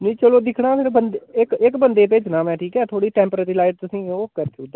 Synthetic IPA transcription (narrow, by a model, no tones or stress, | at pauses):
nĩːt͡ʃəloːd̪ɪkʰɽãːpɪɾbənd̪eɪkɪkbənd̪eːp̬et͡ʃnãːmɛ̃ːʈʰiːkɦɛːt̪ʰoːɽiːʈɛ̃ːmpɾeɾiːlaːɪʈ̚t̪ʊsĩːoːkəɾt͡ʃʊkd̪aː